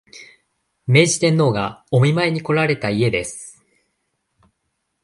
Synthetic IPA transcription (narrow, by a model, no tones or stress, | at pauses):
me̞ːʑi̥t̪ẽ̞nːo̞ːɡao̞mʲimaeɲ̟iko̞ɾaɾe̞t̪aie̞d̪e̞sɨ̥